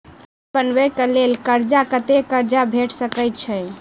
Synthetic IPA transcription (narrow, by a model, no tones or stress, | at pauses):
pənbəkəlelkəɾd͡ʒakət̪ekəɾd͡ʒabʱeʈʰsəkəɪt͡ʃʰɛ